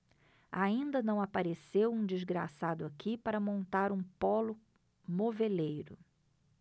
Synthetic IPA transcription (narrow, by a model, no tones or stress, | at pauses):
aĩnd̪ɐnɐ̃w̃apaɾesewũd͡ʒizɡɾa̰sad̪ʊakipaɾɐmõnt̪aɾũpɔlʊ | movelejɾʊ